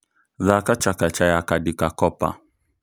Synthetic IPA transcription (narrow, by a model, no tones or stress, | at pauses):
ðakat͡ʃakat͡ʃajakadɪkakɔpa̰